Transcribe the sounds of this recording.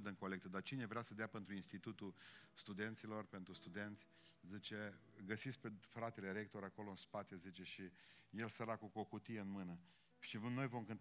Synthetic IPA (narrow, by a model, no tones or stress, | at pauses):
d̪ɨŋko̞lek̚t̪əd̪art͡ʃine̞vɾeasəd̪eape̞nt̪ɾuinst̪it̪ut̪ust̪ud̪e̞nt̪silo̞rpe̞nt̪ɾust̪ud̪e̞nt̪sʲ | zit͡ʃe̞ɡəsitsk̚pefɾat̪e̞le̞ɾe̞k̚t̪o̞ɾako̞lo̞ɨnspat̪e̞zit͡ʃe̞ʃije̞lsəɾakuko̞kut̪ijeɨnmɨnə | ʃivno̞jvo̞mkɨnt̪